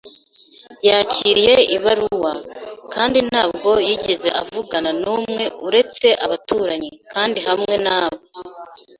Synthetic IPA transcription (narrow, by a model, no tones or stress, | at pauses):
jaːciːɾije̞iβaɾuwakaːndinhaːb̚ɡo̞jiɟeze̞ʔavuɡananuːmŋe̞uɾe̞t͡se̞ʔaβatuːɾaɲikʰaːndihamŋe̞naːβo